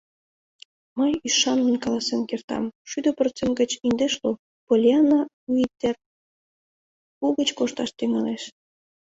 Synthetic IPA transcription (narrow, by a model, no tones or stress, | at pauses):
mɤjyʃɑnːənkɑlɑsenkert̪ɑ̰mʃyd̪əpərt͡semɡə̆t͡ɕind̪eʃlu | polʲiɑna | uit̪ːer | puɣət͡ɕkoʃt̪ɑʃt̪eŋɑneʃ